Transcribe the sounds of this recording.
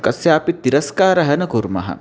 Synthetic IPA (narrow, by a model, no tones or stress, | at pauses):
kɐsjaːpit̪ːiɾɐskaːɾɐɦɐnɐkuɾmɐ̰ɦɐ̰